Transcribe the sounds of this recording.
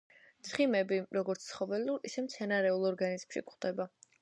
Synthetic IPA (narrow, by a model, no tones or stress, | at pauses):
t̪sʰχimɛbiɾɔɡɔɾt̪sʰt̪sʰχɔbɛluɾḭsɛmt̪sʰɛnaɾɛulˠɔɾɡanizmʃḭkχd̪̥ɛba